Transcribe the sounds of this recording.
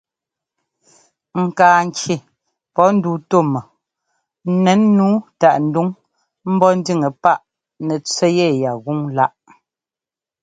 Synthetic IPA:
ŋ̩˨kaː˨ŋ˨kje˨ | pɔ˨˦n̩˦duː˨˦to˦˨mɔ˨˦ | nɛ˨˦nːuː˨˦ta˨ʔn̩˨˦du˦ŋ | m̩˦bɔ˦n̩˦di˦˨ŋə˨pa˦ʔ | nɛ˨t͡sɛ˦jɛ˦˨ja˨ɣu˦ŋla˦ʔ

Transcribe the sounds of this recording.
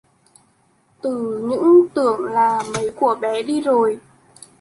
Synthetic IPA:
t̪ɨ˨˩ɲɨ̰˧˥ŋt̪ɨ˧˩əŋlaː˨˩mə˨˦jku˧˩əɓɛ˨˦ɗi˧zo˨˩j

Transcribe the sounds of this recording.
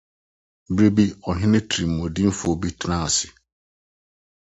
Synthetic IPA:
bɾe˦bi˦ɔ˨ɦɪ̃˦nɪ̃˦tʰi˨m̩ː˨ɔ̃˨dĩ˦m̩˦fʊ˦o˨bi˦tʰnã˦˨a˨sɪ̥˨

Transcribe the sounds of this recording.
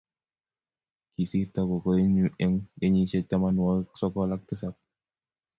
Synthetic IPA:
ki˨si˦takɔ˨kɔ˦e˦ɲue˦ŋe˦ɲi˦t͡ʃɛ˦tːa˦ma˦nwa˦sɔ˦kɔla˦k̚tɪ˦sa˦p̚

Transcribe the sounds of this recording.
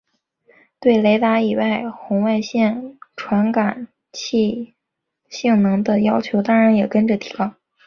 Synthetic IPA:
t̪we˥˩ɪle˧˥ɪt̪a˧˥i˨˩wa˥˩ɪxʊ˧˥ŋwa˥˧ɪɕjɛ˥˩nʈ͡ʂʰwa˧˥nka˨˩˦n | t͡ɕʰi˥˧ | ɕi˥˩ŋnɤ˧˥ŋd̪ə˧jɑ˥ʊt͡ɕʰjo˧˥ʊt̪ɑ˥ŋɻa˧˥njɛ˨˩kə˥nʈ͡ʂə˨˩t̪ʰi̥˧˥kɑ˥ŋ

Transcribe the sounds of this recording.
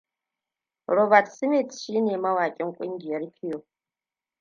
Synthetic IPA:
ɾo˨ba˨tsi˦mi˦˨tʰʃi˦neː˨mɐ˦waː˨kʲʼɪ˦ŋ˦kʷʼi˦ŋɡʲi˨jɛ˨˦ɾi˦pʰi˦jo˨

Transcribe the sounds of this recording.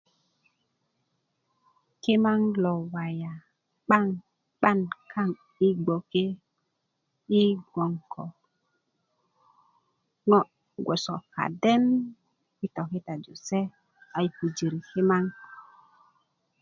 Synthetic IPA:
ke˦ma˦ŋlo˨wa˨ja˨ | ɓa˦ŋ | ɓa˦˨nkʰa˦ŋ | i˦ɡ͡bo˨ke˦ | i˦ɡo˨ŋkɔ̰˨ | ŋɔ˦ | ɡʷo˨so˨ka̰˨de˦n | i˦tɔ˨ki˦ta˨d͡ʒo˨se˦ | a˨jku˨d͡ʒi˨ɾi˨ke˦ma˦ŋ

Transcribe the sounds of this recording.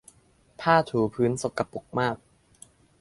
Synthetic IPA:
pʰaː˥˩t̪ʰuː˨˩˦pʰɯː˦˥nso˨˩kːa˨˧pu˨˩k̚maː˥˩k̚

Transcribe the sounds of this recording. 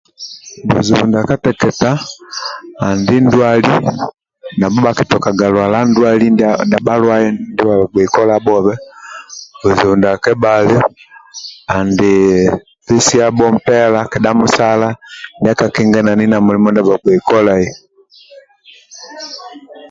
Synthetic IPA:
bṵ˨zi˨u˨nda˨ka˦tɛ˨kɛ˨taː˦˨ | ndi˦ndwa˦li˦ | na˨bɔ˦ba˨ki˨tɔ˨ka˨ɡa˨lwa˨la˦ndwa˦li˦nda˨ba˦lwa˦ɛ˦ndi˦βa˨a˨ɡwɛ˨i˨kɔ˦la˦bɔ˦βɛ˦ | bu˨zu˨u˨nda˨kɛ˦ba˨lɛ˦ | a˨ndi˨ | pi˦si˦a˦bɔ˦m̩˦pɛ˦la˦kɛ˨ɗa˦mu˦sa˦la˦ndi˦a˦ka˨kɛ˦ŋɡɛ˦na˨ni˦na˨mu˨li˨˦mɔ˦nda˨ba˨ɡɛ˨i˨kɔ˦la˨i˦˨

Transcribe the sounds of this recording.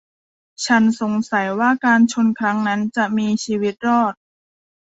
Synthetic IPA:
t͡ɕʰa˦˥nso˨˩˦ŋsa˨˩˦jwaː˥˩kaː˧nt͡ɕʰo˧nkʰɾa˦˥ŋna˦˥nt͡ɕa˨˩miː˧t͡ɕʰiː˧wi˦˥t̪̚ɾɔː˥˩t̪̚

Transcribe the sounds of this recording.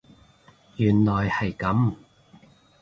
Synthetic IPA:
jyː˨˩nlɔː˨jhɐ˨˩jkɐ˨˥m

